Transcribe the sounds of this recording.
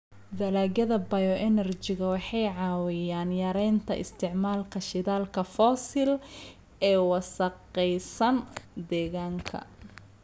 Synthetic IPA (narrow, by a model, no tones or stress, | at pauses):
d̪ɐlaːɡɐðɐbɐjɔʔɛnɐrt͡ʃɪɣɐwɑħɑjʕɑːwɪjaːnjɐɾɛjnt̪ʰɐ̰ʔɪ̰st̪ʰɪʕmaːlkʰɐʃɪðaːlkʰɐfɔːsɪl | ɛːwɑsɐqɛjsɐnd̪ɛːɣaːŋkʰɐ̰